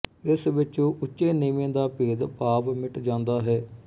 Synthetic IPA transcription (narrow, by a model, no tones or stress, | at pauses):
ɪsʋɪt͡ʃõːʔʊt͡ʃːeːniːmẽːd̪aːpeːd̪paːpmɪʈd͡ʒãːnd̪aːɦɛː